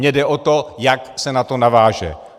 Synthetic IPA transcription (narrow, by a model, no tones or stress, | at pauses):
ɲɛdɛʔot̪ojaksɛnat̪o̞navaːʒɛ̰